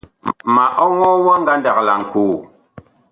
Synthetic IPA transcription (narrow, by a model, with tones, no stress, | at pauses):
ma˨ʔɔ˦wɔ˦wɔ˦ŋ˦ɡa˦nda˨kla˨ŋ̩˨kuː˨